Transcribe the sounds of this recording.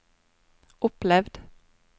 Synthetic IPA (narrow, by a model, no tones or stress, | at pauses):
ʊplɛvd̪